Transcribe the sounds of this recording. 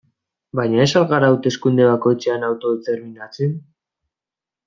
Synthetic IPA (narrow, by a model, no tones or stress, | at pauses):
bajɲae̞salɣaɾaːwt̪e̞skund̪e̞βako̞jt͡seanawt̪o̞ðet̪e̞ɾminat͡sen